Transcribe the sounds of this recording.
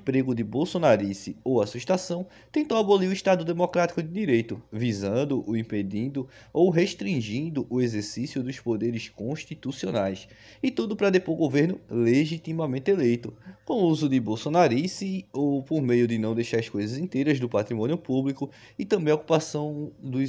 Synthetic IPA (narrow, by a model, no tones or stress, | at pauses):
ĩpɾeɡʊd̪ɪbowsonaɾisɪowasuʃt̪asɐ̃w̃ | t̪ẽnt̪owaboliɾʊiʃt̪ad̪ʊd̪emɔkɾat̪i̥kʊd̪ɪd̪iɾejt̪ʊvizɐ̃nd̪ʊʔʊĩped̪ĩnd̪ʊ | owɦeʃt̪ɾĩʒĩnd̪ʊʔʊezeɾsisjʊd̪ʊspod̪eɾɪskõʃt̪it̪usionajs | ɪt̪ud̪ʊpɾɐd̪epoɾɡoveɾnʊleʒit̪imamẽnt̪ɪelejt̪ʊkõuzʊd̪ɪbowsonaɾisiowpoɾmejʊd̪ɪnɐ̃w̃d̪ejʃaɾɐskojzɐzĩnt̪ejɾɐzd̪ʊpat̪ɾimõnjʊpublikʊ | ɪt̪ɐ̃bẽj̃oku̥pasɐ̃w̃d̪ʊ